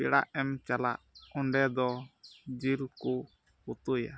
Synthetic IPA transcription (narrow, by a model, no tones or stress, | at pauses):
iɽa̰ʔɛmt͡ʃala̰ʔɔɳɖɛd̪ɔd͡ʒiɾku | ut̪uja̰